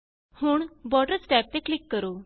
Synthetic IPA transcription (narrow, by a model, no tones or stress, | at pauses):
huːɳbɔʈəɾsʈɛp̚t̪eklikːəɾo